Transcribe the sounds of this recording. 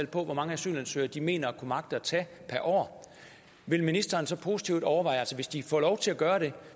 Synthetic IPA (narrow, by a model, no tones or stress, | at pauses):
l̰pʰɒ̽ʋɒmɑ̈ŋəæsy̰ːlænsø̰ɪɐd̥ime̝̰ːnɐækʰumɑ̈ɡ̥̚d̥ɐt͡sʰɛ̰ | pʰæɐʔɒ̰ː | ʋe̝lminisd̥ɐːnsɒ̽pʰo̝si̥t͡sʰiʊ̰d̥ɒʊɐʋɑ̈ɪælsəʋe̝sd̥ifɒ̰ːlɒʊt͡sʰe̝æɡ̥ɶːɐɾ̥e̝